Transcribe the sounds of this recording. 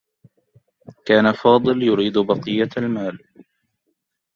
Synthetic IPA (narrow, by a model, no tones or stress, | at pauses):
kaːnafɑːd̪ˤɨljʊɾiːd̪bɑqɨjːaalmaːl